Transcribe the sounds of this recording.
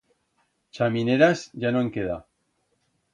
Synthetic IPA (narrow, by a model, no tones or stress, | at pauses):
t͡ʃamineɾazʝanoeŋkeða